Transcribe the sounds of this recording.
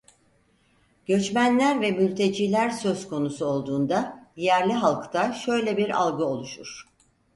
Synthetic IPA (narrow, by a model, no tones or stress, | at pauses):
ɟ̥ø̞t͡ʃmænlʲæɾvɛmylʲt̪ʰe̞d͡ʒiːlʲæɾsø̞zkʰo̞nusuo̞lˠd̪uːnd̪ad̪ijæɾlʲiɦalˠkt̪ʰaʃø̞jlʲɛbiɾa̰lˠɡɯo̞lˠuʃuɾ̥